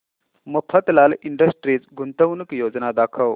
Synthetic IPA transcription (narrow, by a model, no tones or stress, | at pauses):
məpʰət̪laliɳɖəsʈɾiːt͡sɡunt̪əwnəkjod͡znad̪akʰəw